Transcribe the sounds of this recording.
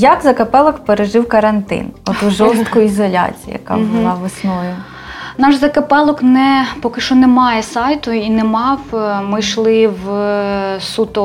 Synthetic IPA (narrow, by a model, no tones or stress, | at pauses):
jɐkzɐkɐpɛlˠɔkpeɾeʒɪwkɐɾɐnt̪ɪ̰nɔt̪uʒɔst̪kɔjʊizɔlʲa̰t͡sʲijḭjɐ̰kɑ̰bʊlˠɑʋɔsnɔjʊ | nɑʃzɐkɐpɛlˠɔknɛpɔkɪʃt͡ʃɔnɛmɑjɛsɑjt̪ʊinɛmɑwmɪʃlˠɪw | sut̪ɔ